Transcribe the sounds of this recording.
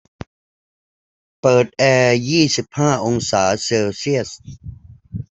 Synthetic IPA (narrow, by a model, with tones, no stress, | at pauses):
pɤː˨˩t̪̚ʔɛː˧jiː˥˩si˨˩p̚haː˥˩ʔo˧ŋsaː˩˦seː˧wsi˥˩əs